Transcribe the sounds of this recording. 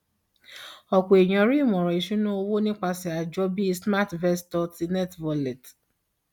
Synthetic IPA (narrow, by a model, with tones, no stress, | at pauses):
ɔ˨ko˨e˨ɲɔ̃˨ɾi˦˨mɔ̃˨ɾɔ˨i˨ʃu˦nũ˦o˧wo˦nĩ˦k͡pa˧sɛ˨a˨d͡ʒɔ˦bi˦sma˦tvɛ˦stɔ˧ti˧nɛ˦tvɔ˨lɛ˨t